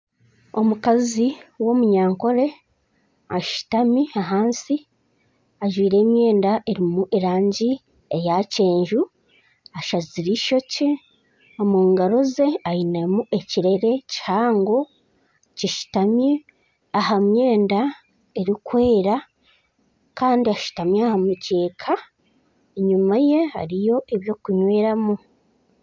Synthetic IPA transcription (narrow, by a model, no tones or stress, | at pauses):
o̞mukaziwo̞muɲaːŋko̞ɾe̞ | aʃu̥tamiaɦaːnsi | aʒwiːɾe̞ːmje̞ːndaʔeɾimuʔeɾaːɲɟi | ejace̞ːɲʒu | aʃaziɾiʃo̞ce | omuːŋɡaɾo̞ze̞ajinamue̞ciɾe̞ɾe̞cihaːŋɡo̞ | ciʃu̥tamje | aɦamje̞ːnda | e̞ɾikwe̞ːɾa | kaːndiaʃu̥tamjeahamuce̞ːkʰa | eɲumaje̞ha̰ɾijo̞ʔeβjo̞ːkuɲwe̞ːɾamu